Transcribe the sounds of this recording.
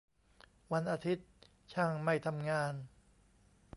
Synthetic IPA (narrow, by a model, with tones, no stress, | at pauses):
wa˧nʔaː˧t̪ʰi˦˥t̪̚ | t͡ɕʰaː˧˩ŋma˥˩jt̪ʰa˧mŋaː˧n